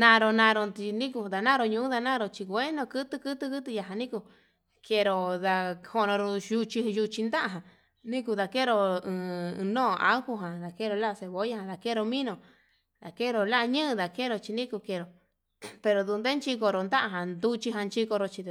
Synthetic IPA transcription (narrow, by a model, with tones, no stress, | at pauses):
nã˧ɾo˧nã˧ɾo˧t̪i˧nĩ˦ku˧d̪a˧˨nã˦ɾo˧ɲũ˧ũ˦ða˧nã˦ɾo˧t͡ʃi˧kʷe˦nõ˧kɨ˦t̪ɨ˦˧kɨ˦t̪ɨ˧kɨ˦t̪ɨ˧ja˧ɦã˧nĩ˦ku˧ | ke˧ɾo˧ða˧ho˧nõ˧ɾo˧ju˧t͡ʃi˧ju˧t͡ʃi˧nd̪a˦ʔa˧ɦã˨ | nĩ˦ku˧ða˧ke˦ɾo˧ɨ̃˧nõː˦˧a̰˦hu˧ɦã˨ða˨ke˦˧ɾo˧la˦˧se˧βo˨˦ja˦hã˧ða˨ke˦˧ɾo˧mĩ˦nõ˧˨ | d̪a˨ke˦˧ɾo˨la˦ʔɲɨ̃˦ʔða˨ke˦˨ɾo˧˨t͡ʃi˧nĩ˦ku˧ke˧˨ɾo˨ | pe˧ɾo˨d̪u˧nd̪e˦nt͡ʃi˧ko˧ɾo˨nd̪a˦ʔa˧ɦã˨nd̪u˧t͡ʃi˧ɦã˧nt͡ʃi˧ko˧ɾo˧˨t͡ʃi˧